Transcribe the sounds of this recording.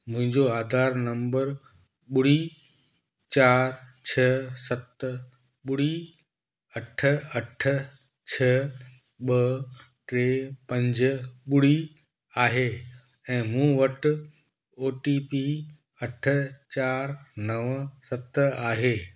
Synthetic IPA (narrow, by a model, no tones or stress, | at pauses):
mʊ̃ɦɪ̃ɲd͡ʑoaːd̪ʱaːɾnɐ̃mbəɾ | ɓʊɽi | t͡ɕaːɾt͡ɕʰɐsɐt̪ | ɓʊɽi | ɐʈʰə̆ɐʈʰə̆ | t͡ɕʰɐ | ɓɐ | ʈɾeːpɐ̃ɲd͡ʑɓʊɽi | aːɦeː | ɛ̃ːmũːʋɐʈʊ | oːʈipi | ɐʈʰə̆t͡ɕaːɾnɐʋsɐt̪aːɦeː